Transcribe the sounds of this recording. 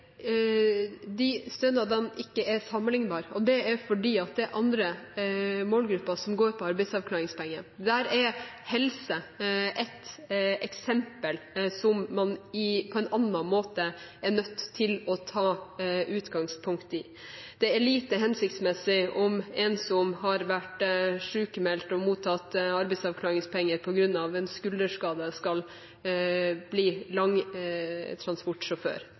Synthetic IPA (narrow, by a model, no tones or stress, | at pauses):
d̪ɪst̪œnɑd̪ɛnɪkːəʔɛɾsɑmːəlɪŋbɑːɾɔd̪ɛæɾfɔɖiːɑt̪̚d̪ɛɛɾʔɑnd̪ɾə | moːlɡɾʉpːɑsɔmɡoːɾpʰɔɑɾbæɪd̪sɑʋkʰlɑːɾɪŋspʰɛŋːəd̪æɾɛɾ | hɛlsəʔɛt̪ɛksɛmpəlsɔmːɑnɪpʰɔɛnɑnːɑnmoːt̪əæɳœt̪ʰːɪlɔt̪ʰɑːʔʉːt̪ɡɑŋspʰʊŋkt̪ɪ | d̪̥ɛæɭiːt̪əɦɛnsɪk̚t̪smɛsːɪʔɔmɛnsɔmhɑɾʋæʈʂʉːkəmɛlt̪ɔmuːt̪ʰɑt̪ːɑɾbɛɪsɑʋkʰlɑːɾɪŋspʰɛŋːəɾpʰɔɡɾʉnːɑʋɛnskʉld̪əʂkɑːd̪əskɑl | b̥liːlɑŋ | t̪ʰɾɑnspɔʈːʂɔfø̰ːɾ